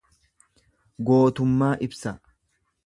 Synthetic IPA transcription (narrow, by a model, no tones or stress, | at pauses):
ɡo̞ːt̪ʊmːaːʔɪbsɐ